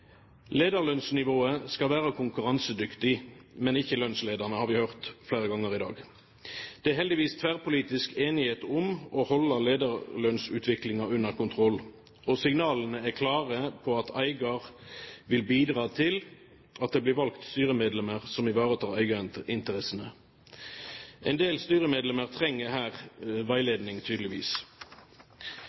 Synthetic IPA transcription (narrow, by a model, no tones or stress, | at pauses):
leːd̪əʁlœnsnɪʋoːəskɑʋæːʁəkʰʊŋkʉʁɑnsəd̪ʏkt̪ɪmɛnɪçəlœnsleːd̪əʁnəhɑːʁʋɪhœʁt̪fleːʁəɡɑŋːəʁɪd̪ɑ̰ːɡ | d̪̥ɛæɦɛld̪ɪʋiːst̪ʰʋæːʁpʊliːt̪ɪskeːnɪheːt̪ʊmɔhɔlːəleːd̪əʁlœnsʉ̰ːt̪ʰʋɪklɪŋɑʉnəʁkʊnt̪ʰʁɔl | ɔsɪŋnɑːlənəækʰlɑːʁəpʰɔɑt̪æɪɡɑʁʋɪlbiːd̪ʁɑːt̪ʰɪl | ʔɑt̪̚d̪eːbliːʁʋɑlkt̪st̪yːʁəmeːd̪lɛməʁsɔmɪʋɑːʁət̪ʰɑːæɪɡɪnt̪əʁɛsənə | ʔɛnd̪eːlst̪yːʁəmeːd̪lɛməʁt̪ʰʁɛŋːəhæːʁʋæɪleːd̪nɪŋt̪ʰyːd̪əlɪʋḭːs